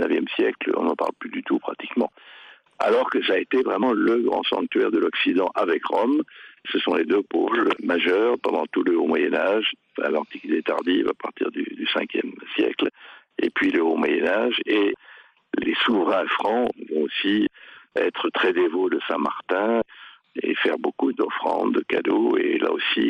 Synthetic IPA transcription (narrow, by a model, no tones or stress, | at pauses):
nəvjɛmsjɛklɔ̰̃nɑ̃pa̰ʁlplyd̪yt̪upχat̪i̥kmɑ̰̃ | a̰lɔʁkəsaet̪evʁɛmɑ̃ləɡʁɑ̰̃sɑ̰̃k̚t̪ɥɛʁd̪əlɔksid̪ɑ̃ʔavɛkʁɔmsəsɔ̃led̪øpo̰ʒmaʒœʁpɑ̃d̪ɑ̃t̪uləomwajɛnaʒ̃ | fɛ̰̃lɑ̃t̪ikit̪et̪a̰ʁd̪iva̰paʁt̪ḭʁd̪y̰d̪ysɛ̃kjɛmsjɛ̰kl | epɥiləomwajɛnaʒe | lesuvʁɛ̃fχɑ̃vɔ̃osiɛt̪χət̪χɛd̪evod̪əsɛ̃maʁt̪ɛ̃ | efɛʁbokud̪ɔfχɑ̰̃d̪əka̰d̪oela̰osi